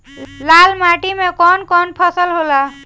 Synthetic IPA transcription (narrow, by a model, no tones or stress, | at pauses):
lalmaʈimekɔnkɔnpʰəsəlɦola